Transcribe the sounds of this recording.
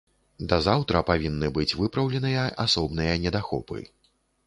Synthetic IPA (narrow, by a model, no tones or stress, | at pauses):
d̪ɐzawt̪ɾɐpavʲinːɨbɨt͡sʲvɨpɾɐwlʲɛnɨjɐasɔbnɨjɐnʲɛd̪axɔ̰pɨ̰